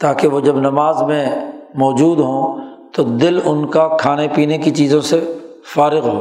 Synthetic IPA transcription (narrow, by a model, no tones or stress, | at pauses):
t̪aːkeʋod͡ʒɐbnɐmaːzmẽmɔːd͡ʒuːd̪ɦõt̪od̪ɪlʊnkakʰaːnepiːnekit͡ʃiːzõse | faːɾɪɣɦoː